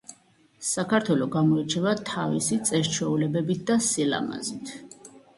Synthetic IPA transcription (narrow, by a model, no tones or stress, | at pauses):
sakʰaɾt̪ʰwɛlɔɡamɔit͡ʃʰɛvat̪ʰavḭsit̪sʼɛɾt͡ʃʰwɛulɛbɛbit̪̚ʰd̪asila̰ma̰zit̪ʰ